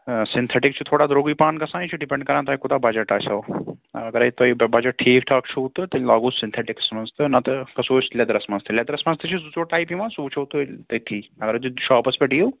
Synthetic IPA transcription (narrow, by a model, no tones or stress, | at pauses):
sint̪ʰeʈikt͡ʃʰut̪ʰoːɽaːd̪ɾoːɡipaːnkɐsãːnĩt͡ʃʰuɖipeɳɖkɐɾãːnt̪ʰaːikut̪aːbɐd͡ʒɐʈaːt͡ʃʰɐwɐ̰ɐɡɐɾɐit̪oibɐd͡ʒɐʈʰiːkʈʰaːkt͡ʃʰut̪ɨt̪ɐlaːɡuːsint̪ʰeʈiksmɐnzt̪ɨnɐt̪ɨkɐsoːt͡ʃlʲɐd̪ɾɐsmɐnst̪ʰɨlʲɐd̪ɾɐsmɐnst̪ɨt͡ʃʰusut͡ʃoːʈaːjpimãsuːt͡ʃʰuut̪ut̪ɐt̪ʰiːɐɡɐɾt̪uʃaːpɐspɐʈijo